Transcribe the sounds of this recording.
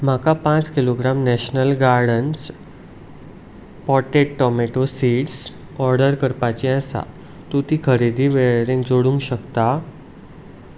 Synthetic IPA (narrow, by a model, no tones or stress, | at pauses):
m̤akapãt͡skiloɡɾamnɛɕnəlɡaɾɖəns | pɔʈeʈʈɔmeʈosiɽs | ɔɾɖəɾkəɾpat͡ɕiə̃sa̰ | t̪ut̪iːkʰəɾed̪ʱiːʋeɾẽŋd͡zoɽũŋɡɕəkt̪a